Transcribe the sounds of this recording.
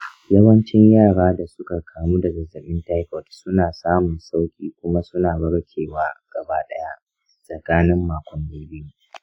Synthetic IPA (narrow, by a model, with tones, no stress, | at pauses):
jɐ˦wɐ˦nt͡ʃɪ˦ɲjaː˦˨ɽaː˦da˨sʊ˦ka˨kʰaː˨mu˦dɐ˨ɡɐ˨zɐ˨ɓɪ˦nta˦kɔ˨tsʊ˦naː˨saː˦mʊ˨nsa˦wkʲʼiː˦kʷʊ˦ma˦sʊ˦naː˨bɐ˦ɽkʲʰeː˨waː˦ɡ̥ɐ˨baː˦ɗɐ˦ja˦ʔ | sʼɐ˨kaː˦nɪ˦mːaː˨kʷɔ˨˦nːeː˦bi˦ju˦